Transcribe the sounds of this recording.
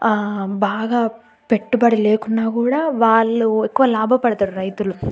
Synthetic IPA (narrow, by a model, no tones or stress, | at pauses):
baːɡɐ | pe̞ʈːubɐɽileːkunːaːkuːɽɐʋaːɭːuekːuʋɐlaːbʱɐpɐɽet̪ɐɾuɾɐjt̪ulu